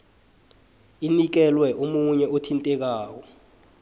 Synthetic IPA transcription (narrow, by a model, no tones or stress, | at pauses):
inik̬ɛlwɛʔomuɲɛotʰintʼɛk̬aːk̬ɔ